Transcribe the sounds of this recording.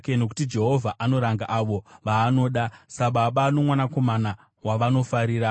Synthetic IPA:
keno̞ku̥tid͡ʒe̞ɦo̞vʱaʔano̞ɾaŋɡaʔaʋo̞ʋaːno̞ːɗasaɓaɓano̞mwanako̞mana | waʋano̞faɾiːɾa

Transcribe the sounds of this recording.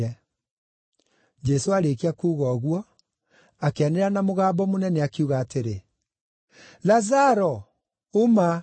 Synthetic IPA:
ɛ | d͡ʒɛsoaɾekeakuːɣɔːɣwɔ | akeaneɾanamoɣaːbɔmonɛnɛakeuɣaːteɾe | lazaɾɔ | oma

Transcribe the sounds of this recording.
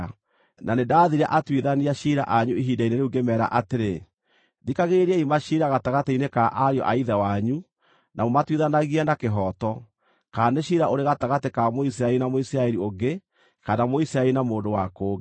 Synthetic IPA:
nanedaːðiɾa̰ʔatwiðaniaʃiɾa̰ʔaɲuiɦiːdaineɾeuɡemɛːɾa̰ʔateɾe | ðikaɣeɾiaimaʃiɾaɣataɣateinekaʔaɾjɔ̰ʔaiðɛwaɲu | nʔamomatwiðanaɣianakeɦɔtɔ | kaːneʃiɾaʔoɾeɣataɣatekamois̬iɾaɛɾinamoisɾaɛɾioɡe | kanamoisiɾaɛɾinamoːndowakoː

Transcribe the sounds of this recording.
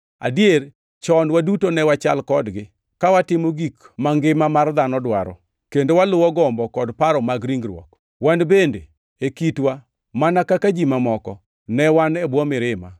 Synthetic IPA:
a̰dier | t͡ʃɔnwadutonɛwat͡ʃa̰lkɔdɡɪ | kawatɪmoɡikmaŋɡɪmamard̪anɔdwaɾɔ̰ | kendowalʊwɔɡɔmbɔkɔdpaɾɔmaɡɾiŋɡɾwɔ̰k | wanbende | ekitwa | manakakad͡ʒimamɔkɔ | nɛwanɛbwɔmɪɾɪma

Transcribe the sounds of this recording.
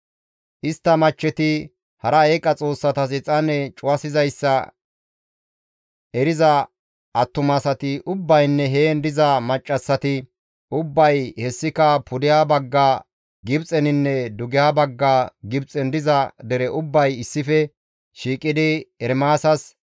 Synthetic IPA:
ʔɪst̪ːɐmɐt͡ʃːɛt̪ɪ | hɐɾɐeːkʼːɐt͡sʼo̞ːsːɐt̪ɐsɪt͡sʼɐnɛt͡ʃʼʊwɐsɪzɐjsːɐ | ɛɾɪzɐ | ɐt̪ːʊmɐsɐt̪ɪʔʊbːɐjnːɛɦeːnd̪ɪzɐmɐt͡ʃʼːɐsːɐt̪ɪ | ʔʊbːɐjhɛsːɪkɐpʰʊd̪ɪjaːbɐɡːaː | ɡɪbt͡sʼɛnɪnːɛd̪ʊɡɪjaːbɐɡːaːɡɪbt͡sʼɛnd̪ɪzɐd̪ɛɾɛʔʊbːɐjɪsːɪfɛ | ʃiːkʼːɪd̪ɪɛɾmaːsɐs

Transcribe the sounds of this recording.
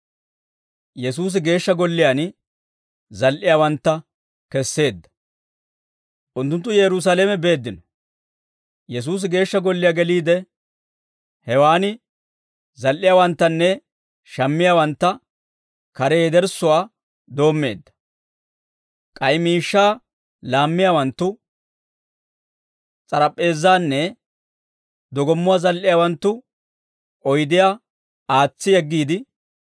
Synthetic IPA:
jɛsuːs̬ɪɡe̞ːʃːɐɡɔlːɪjaːn | zɐlʔɪjawɐnt̪ːɐ | kɛsːe̞ːd̪ːɐ̥ | ʔʊnt̪ːʊnt̪ːʊjɛɾʊs̬aleːmɛbe̞ːd̪ːɪnɔ | jɛs̬uːs̬ɪɡe̞ːʃːɐɡɔlːɪjaɡɛliːd̪ɛ | hɛwaːnɪ | zɐlʔɪjaːwɐnt̪ːɐnːɛ | ʃɐmːɪjaːwɐnt̪ːɐ | kɐɾɛjd̪ɛɾsʊwaː | d̪o̞ːmːe̞̰ːd̪ːɐ̥ | kʼɐjmiːʃːaː | laːmːɪjaːwɐnt̪ːʊ | t͡sʼɐɾɐpʼːe̞ːzːaːnːɛ | d̪ɔɡɔmːʊwaːzɐlʔɪjaːwɐnt̪ːʊ | ʔʼɔjd̪ɪja | aːt͡sːɪjɛɡːiːd̪ɪ

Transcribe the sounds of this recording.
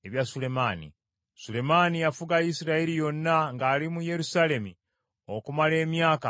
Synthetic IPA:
eβjasule̞maːnḭ | sule̞maːnijafuɡajisiɾaeɾijo̞nːaŋɡaːlimuje̞ɾusale̞mi | o̞kumale̞ːmjaːka̰

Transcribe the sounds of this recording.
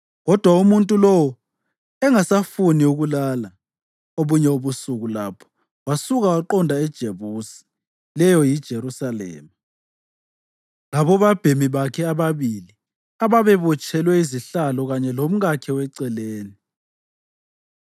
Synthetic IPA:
ɣɔd̥ʱwaumuntʼulɔwɔ | ɛŋasafuniuɣulaːla | oβuɲɛoβusuɣula̰ːpʰɔ̥ | wasuɣawaǃɔndʱaɛd̥ʒ̥ʱeβusi̥ | lɛjɔjid̥ʒ̥ʱeɾusalɛ̰ːma | laβɔβab̥ʱemiβakʰɛaβaβili | aβaβɛβɔt͡ʃʰʼɛlwɛiziɬalɔɣaɲɛlom̩ɣakʰɛwɛǀɛleːni

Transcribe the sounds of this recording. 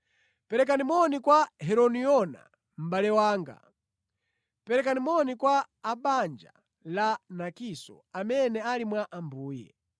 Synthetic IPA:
pɛɾɛk̬animɔnikwahɛɾɔniɔna̰ | m̩balɛwaːŋɡa̰ | pɛɾɛkanimɔnikwaː | ɓand͡ʒa̰ | lanakisɔ̰ | amɛnɛalimwaʔambuːjɛ̰

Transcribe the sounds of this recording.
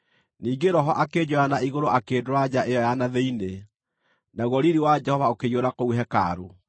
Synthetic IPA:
niːɡeɾɔɦɔʔaked͡ʑɔjanaiɣoɾoʔakeːdoɾad͡ʑaʔejɔjanaðeine | naɣwɔɾiɾiwad͡ʒɛhɔvaokejoɾakouɦɛka̰ɾo

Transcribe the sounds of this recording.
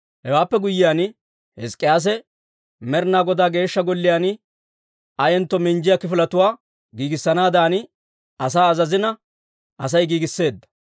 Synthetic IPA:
hɛwaːpːɛɡʊjːɪjaːn | hɛskʼːɪjaːs̬ɛ | mɛɾnaːɡɔd̪aːɡe̞ːʃːɐɡɔlːɪjaːn | ɐjɛnt̪ːɔmɪnd͡ʒɪjakɪfɪlɐt̪ʊwaː | ɡiːɡɪsːɐnaːd̪aːnɪ | ɐs̬aːɐzɐzɪnɐ | ʔɐs̬ɐjɡiːɡɪsːe̞ːd̪ːɐ̥

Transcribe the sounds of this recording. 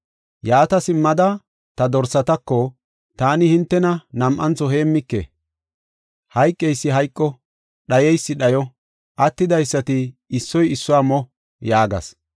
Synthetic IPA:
jaːt̪ɐsɪmːɐd̪ɐ | t̪ɐd̪ɔɾsɐt̪ɐkːɔ | t̪aːnɪhɪnt̪ːɛnɐnɐmʔɐnt͡sːɔɦeːmːɪkːḛ | hɐjkʼːɛjsːɪɦɐjkʼːɔ | ɗɐjɛjsːɪɗɐjɔ | ʔɐt̪ːɪd̪ɐjsːɐt̪ɪɪsːɔjɪsːɔaːmɔ | jaːɡɐ̰s

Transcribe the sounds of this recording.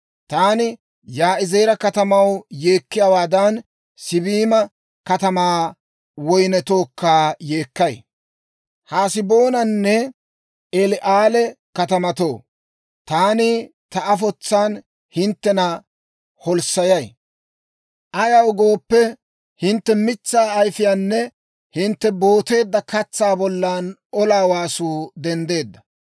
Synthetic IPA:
t̪aːnɪ | jaːɪze̞jːɾɐkɐt̪ɐmɐwje̞ːkːɪjɐwaːd̪ɐn | sɪbiːmɐ | kɐt̪ɐmaː | wɔjnɛt̪oːkːaːje̞ːkːɐj | haːsɪbo̞ːnɐnːɛ | ʔɛlɪʔaːlɛkɐt̪ɐmɐt̪o̞ː | t̪aːni | t̪ɐɐfɔt͡sːaːn | hɪnt̪ːɛnɐ | hɔlsɐjɐj | ʔɐjɐwɡo̞ːpːɛ | hɪnt̪ːɛmɪt͡sːaːɐjfɪjaːnːɛ | hɪnt̪ːɛbo̞ːt̪e̞ːd̪ːɐkɐt͡sːaːbɔlːaːnɔlaːwaːsuːd̪ɛnd̪e̞ːd̪ːɐ

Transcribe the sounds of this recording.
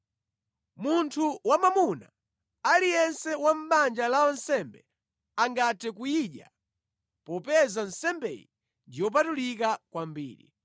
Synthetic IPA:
muntʰuwamamuna | alijɛnsɛwam̩ɓand͡ʒalaɔnsɛmbɛ | aŋɡatɛk̬ujiɗja̰ | pɔpɛzan̩sɛmbɛ̰jḭ | ndijɔp̬atulikakwambḭːɾḭ

